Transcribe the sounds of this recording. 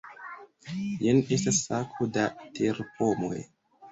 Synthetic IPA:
jenestasakʰudatʰeɾpʰomo̰j

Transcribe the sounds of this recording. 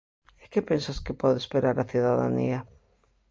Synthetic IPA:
ekepensaskɪpɔðespeɾaɾaθuðaða̰nḭa

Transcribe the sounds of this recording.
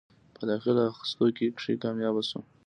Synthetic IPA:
pəd̪ɑxɪlaaxɪ̥st̪okekʂikɑmjɑbasu

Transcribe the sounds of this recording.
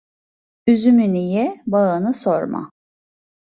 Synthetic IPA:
yzymynijɛbaɯnɯsoɾma̰

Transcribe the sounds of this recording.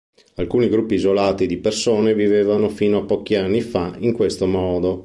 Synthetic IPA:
alkuːniɡɾupːiːzolaːt̪id̪ipersoːnevivevanofiːnoapːɔk̟ianːifaiŋkwest̪omɔːd̪o

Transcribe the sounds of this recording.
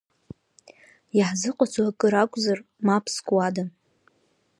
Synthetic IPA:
jaħzɨqʼat͡sʰʼwakʼɨɾakʷʼzarmapʰskʼwada

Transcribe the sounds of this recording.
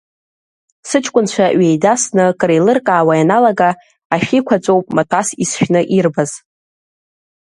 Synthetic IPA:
sɨt͡ʃʰʼkʷʼʊnt͡ɕʷʰaɥejdasnɨkʼrejlɨrkʼaːwajanalaɡaː | ʃikʷʰat͡ʃʷʼowpʼmatʷʰʼasisʃᶣnɨʔirbaz̥

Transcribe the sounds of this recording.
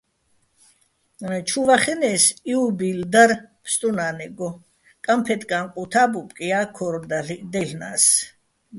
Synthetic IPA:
t͡ʃʰuvaχɛnɛːsiubild̪aɾpʰst̪ʼunanɛɡɔ | kʼampʰɛt̪kʼanqʼut̪ʰabupʼkʼiakʰɔɾd̪alid̪ɛɬna̰s

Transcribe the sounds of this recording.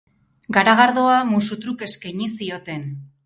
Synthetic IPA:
ɡaɾaɣaɾðoamusut̪ɾuke̞skajɲisio̞t̪e̞n

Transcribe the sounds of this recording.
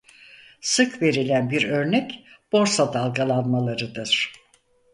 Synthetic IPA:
sɯkve̞ɾilʲænbiɾø̞ɾnɛcb̥o̞ɾsad̪alˠɡalˠanmalˠaɾɯd̪ɯɾ̥

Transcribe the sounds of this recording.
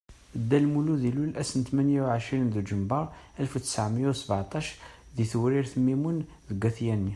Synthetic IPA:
əd̪ːælmuluðilulʔæsənt̪mænjawʕəʃɾind̪ud͡ʒəmbɑɾˤ | ælfut̪ːə̥saʕməjæwsəbʕt̪ˤɑʃðiθwɾiɾθəmimun | ðəɡːæθjænːi

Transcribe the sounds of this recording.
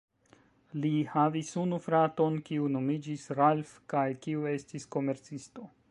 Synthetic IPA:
lihavisunufɾato̞nkiuno̞mid͡ʒisɾalfkajkiue̞stisko̞me̞ɾt͡sisto̞

